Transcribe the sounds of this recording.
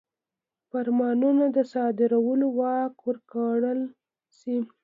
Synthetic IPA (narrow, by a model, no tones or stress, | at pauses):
faɾmɑnunad̪əsɑd̪ɪɾawəlowɑkwəɾkaɽəl | si